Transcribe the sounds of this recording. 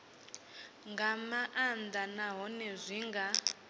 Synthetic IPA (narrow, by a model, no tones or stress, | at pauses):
ŋɡamaʔand̪anaɦɔnɛzʷiŋɡa